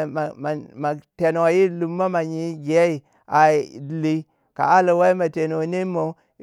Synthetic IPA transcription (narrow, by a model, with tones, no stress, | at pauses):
a˨ma˨te˨no˨a˨ji˦lu˨mːa˦ma˨ɲi˦ɡe˨˦i˨ | a˨li˨ | ka̰˨a˦la˨wa˦i˦ma˨te˨no˨ne˦mo˨˦